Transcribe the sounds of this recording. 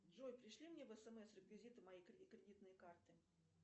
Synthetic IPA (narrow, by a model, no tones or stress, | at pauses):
ʐojpɾʲɪʂlʲimnʲevɛsɛmɛsrəbvʲɪzʲit̪ɨmajikɾʲkɾʲɪdʲit̪nɨjəkart̪ɨ